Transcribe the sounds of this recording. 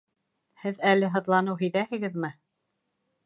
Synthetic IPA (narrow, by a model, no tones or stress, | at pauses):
hɘðælɘɦɤ̆ðlˠɑnɤwɦɘ̆jðæhɘ̆ɡɘðmɘ